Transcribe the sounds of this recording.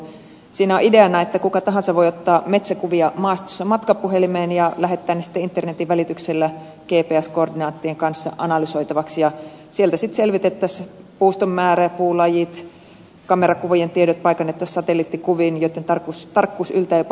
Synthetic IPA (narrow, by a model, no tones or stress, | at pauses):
siːnæoʔideɑnɑet̪ːækukɑt̪ɑɦɑnsɑʋʋojot̪ːɑːmet̪sækuʋiɑmɑːst̪o̥sːɑmɑt̪kɑpuɦelimeːnjɑlæɦet̪ːæːnːesi̥t̪ːeint̪ːernet̪iʋʋælit̪ykselːæ | keːpeːæskoordinɑːt̪ːieŋkɑnsːɑ̰ʔɑnɑlysoit̪ɑʋɑksjɑ | sielt̪æsit̪selʋit̪et̪ːæspuːst̪omːæːɾæpuːlɑjit̪ | kɑmerɑkuʋojent̪iedot̪̚pɑikɑnːet̪ːæssɑt̪elit̪ːikuʋinjot̪ːent̪ɑrkust̪ɑrkːuːsylt̪æjop